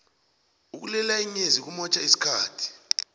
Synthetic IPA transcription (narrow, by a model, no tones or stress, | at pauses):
uk̬ulɛlaiɲezik̬umɔt͡ʃʰʼaisi̥kʰaːtʰi̥